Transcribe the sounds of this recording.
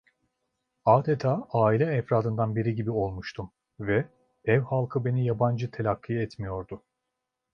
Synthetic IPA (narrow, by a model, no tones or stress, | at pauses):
aːd̪et̪ʰaːaːilʲɛːfɾaːd̪ɯnd̪anbiɾiɟibio̞lˠmuʃt̪ʰum | vɛ | ɛvhalˠkʰɯbe̞nijaband͡ʒɯt̪ʰelʲakʰːiɛt̪mijo̞ɾd̪ʊ